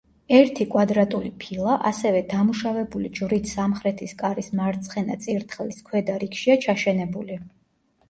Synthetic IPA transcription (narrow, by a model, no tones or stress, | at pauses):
ɛɾt̪ʰikʼwad̪ɾat̪ʼulipʰilˠaʔasɛvɛd̪amuʃavɛbulid͡ʒvɾit̪ʰsamχɾɛt̪ʰiskʼaɾismaɾt̪sʰχɛna̰t̪sʼiɾt̪ʰχliskʰwɛd̪aɾikʃiat͡ʃʰaʃɛnɛbuli